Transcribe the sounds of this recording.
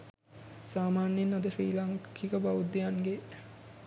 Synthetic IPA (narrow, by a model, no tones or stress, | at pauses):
saːmaːnjenːod̪əfriːlaŋkkʰikəbaʋud̪ːejanɡe